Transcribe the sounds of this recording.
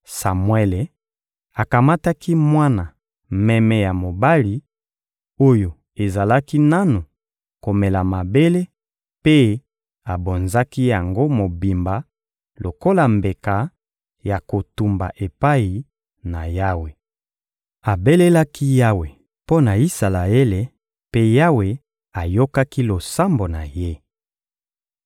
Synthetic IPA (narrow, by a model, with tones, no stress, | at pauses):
sa˨mwɛ˦le˨ | a˨ka˨ma˦ta˦ki˦mwa˦na˨ | mɛ˦mɛ˦ja˨mo˨ba˦li˨ | o˦jo˨ | e˨za˨la˦ki˦na˦nu˨ | ko˨mɛ˨la˨ma˨be˦le˦ | pe˦ | a˨bo˨nza˦ki˦ja˨ŋɡo˦mo˨bi˨mba˨ | lo˨ko˦la˨mbe˨ka˨ | ja˨ko˨tu˨mba̰˨ʔe˨pa˦ji˨ | na˨ja˦we˨ | a˨be˦le˦la˦kʰi˦ja˦we˨ | po˦na˨i˦sa˨la˨e˦le˨ | pe˦ja˦we˨ | a˨jo˦ka˦ki˦lo˨sa˦mbo˨na˨je˦